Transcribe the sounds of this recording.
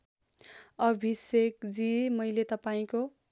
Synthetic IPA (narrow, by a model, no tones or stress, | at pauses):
ʌbʱisekd͡zimʌjlet̪ʌpaĩko